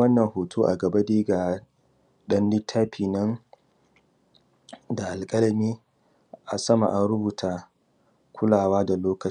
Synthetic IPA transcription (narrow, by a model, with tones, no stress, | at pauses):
wɐ˦nːɐ˨ŋhoː˨tʰoː˦ʔa̰˨ɡɐ˨ba˦deː˦ɡaː˨ | ɗɐ˦nlɪ˦tʰːaː˦pʰiː˨nɐ˦n | da˨ʔa˨lkʼɐ˦lɐ˨miː˦ | ʔa˨sɐ˦ma̰˨ʔa˨ɾʊ˦buː˨tʰaː˦ | kʷʰʊ˦laː˨waː˦da˨loː˦kɐ˨˦